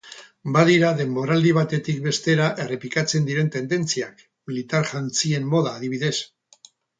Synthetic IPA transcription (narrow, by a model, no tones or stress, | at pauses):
baðiɾaðe̞mbo̞ɾald̪iβ̞at̪e̞t̪ik̚be̞st̪e̞ɾaʔe̞re̞plikat͡se̞nd̪iɾe̞nt̪e̞nd̪e̞nt͡siak | milit̪aɾʝant͡sie̞mːo̞ð̞aːðiβ̞iðe̞s